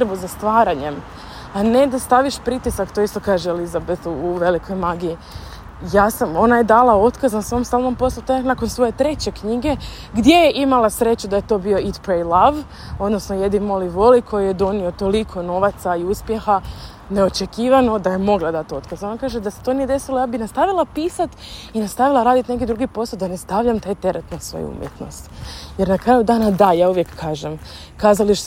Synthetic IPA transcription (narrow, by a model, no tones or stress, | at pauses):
t̪ɾbuzast̪ʋaːɾaɲe̞m | aned̪ast̪aʋiʃpɾit̪isakt̪oist̪o̞kaːʒeelizabeθuːʋe̞likʰo̞jmaːɡii | jaːsamo̞najed̪alˠao̞t̪kaznasoomst̪alˠnompo̞slˠot̪oenako̞nsʋo̞je̞t̪ɾe̞t͡ɕe̞kɲiɡe̞ | ɡd̪je̞jeʔimalˠasɾe̞t͡ɕud̪ajet̪o̞bio̞it̪pɾejlˠaʋ | o̞d̪no̞snoje̞d̪imo̞liʋolikʰo̞jijed̪o̞nio̞t̪o̞likʰo̞no̞ʋat̪saiuspje̞xa | ne̞o̞t͡ʃekiːʋano̞d̪ajemo̞ɡlˠad̪at̪oot̪kazeonakaːʒed̪aset̪o̞nije̞d̪e̞silojaːbinast̪aʋilˠapiːsat̪inast̪aʋilˠaɾaːd̪it̪nek̬id̪ɾuɡipo̞sad̪anest̪aʋʎamt̪aːjt̪e̞ɾʔat̪nasʋo̞̰jṵṵmjḛt̪no̰st̪jeɾnakɾajud̪aːnad̪ajaːuʋje̞kːaːʒem | kaːzaliʃ